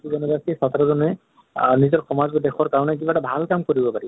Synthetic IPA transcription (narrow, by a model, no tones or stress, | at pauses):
ubɔnɔzasisat̪aɾɔzɔnɛ | nizɔɹxɔmazbɔdɛxɔɹkaɹɔnɛk̬ibatabʱalkamkoɹibɔpaɹibɔ